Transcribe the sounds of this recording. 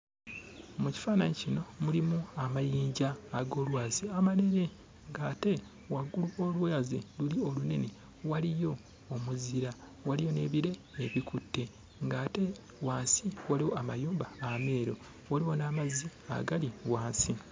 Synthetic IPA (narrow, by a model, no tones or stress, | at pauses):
muci̥faːnaɲecino̞mulimuamajiːɲɟaːɡo̞ːlwaːziamaɾe̞ɾe̞ | ŋɡaːte̞ | waɡuluo̞ːlwaːzilulio̞lune̞ne̞ | walijo̞ː | muziɾa | walijo̞ne̞ːβiɾe̞ːβikutːe̞ | ŋɡaːte̞ | waːnsiwaliwo̞amajuːmbaame̞ːɾo̞̰ | waliwo̞naːmazia̰ɡaliwaːnsi